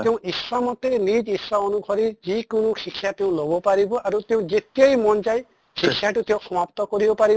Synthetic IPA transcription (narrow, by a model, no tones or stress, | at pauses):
t̪eũisamɔt̪enid͡ʒislaɔnuɡʰʱɔɾid͡ʒikunuʃikʰːjat̪eũlobɔpaɾibɔʔaɾut̪eũd͡ʒet̪iajmɔnd͡ʒaj | ʃikʰːjaʈut̪eũsɔmapt̪ɔkɔɾibɔpaɾi